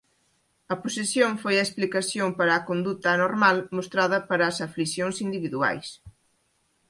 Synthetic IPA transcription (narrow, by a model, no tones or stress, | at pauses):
ɐpusesjõŋfojɐesplikasjompɐɾɐːkond̪ut̪ɐːnoɾmalmost̪ɾaðɐpɐɾɐːsaflisjoŋsind̪iβiðua̰js